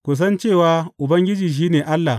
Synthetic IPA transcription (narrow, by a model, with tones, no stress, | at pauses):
kʷʊ˨s̬ɐ˦nt͡ʃeː˦˨waː˦ʔʊ˨bɐ˦ŋɡʲɪ˦d͡ʒiː˨ʃ̬iː˦neː˨ʔa˦lːa˨